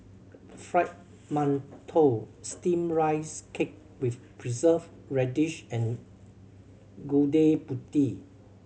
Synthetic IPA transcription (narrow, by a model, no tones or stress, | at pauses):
fɹaɪt̚ | mãntʰostĩmɹaɪskʰek̚ | wif | pʰɹizəv | ɹɛdiʃɛ̃n | ɡudeputi